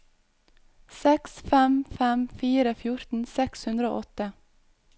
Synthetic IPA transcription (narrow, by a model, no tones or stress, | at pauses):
sɛksfɛmfɛmfiːɾəfjʊɾt̪n̩sɛkshʉnd̪ɾəo̰ːʔɔt̪ə